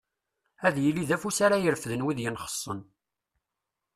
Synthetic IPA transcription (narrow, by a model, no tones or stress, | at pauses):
æðjəlːiðæfusaɾajəɾfðənwiðjənχə̥sˤːən